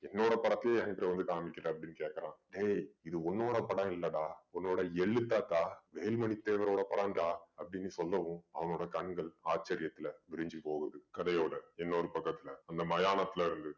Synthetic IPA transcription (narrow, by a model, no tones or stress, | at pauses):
ɛnːoːɽɐpɐɽɐt̪ːɪleːɛŋɐpɪɾɐʋɐnd̪ɯkaːmɪkːɪɾɐɐpːɐɽɪnːɯkeːʈkːɐɾãːɖeːɪðɯɔnːoːɽɐpɐɽɐ̃ɪlːɐɽaːɔnːoːɽɐɛɭːɯt̪ːaːt̪aːʋeːlmɐɳit̪ːeːʋɐɾoːɽɐpɐɽɐnɖaːɐpːɐɽɪnːɯsɔlːɐʋɯ̃ɐʋɐŋoːɽɐkɐɳɡɐɭaːt͡ʃːɐɾɪjɐt̪ːɪlɐʋɪɾɪɲd͡ʒɯpoːɣɐðɯkɐðɐjoːɽɐɛnːoːɾɯpɐkːɐt̪ːɪlɐɐnd̪ɐmɐjaːnɐt̪ːɪlɐɪɾɯnd̪ɯ